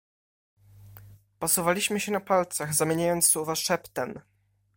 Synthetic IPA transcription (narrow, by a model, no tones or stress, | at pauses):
pɔsuvalʲiɕmɘɕɛnapalt̪saɣzamʲjeɲajɔnt̪sːuvaʂɛpt̪ɛm